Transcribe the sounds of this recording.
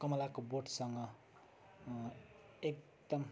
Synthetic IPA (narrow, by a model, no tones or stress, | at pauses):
kʌmʌlakoboʈsʌŋɡʌ | ek | d̪ʌm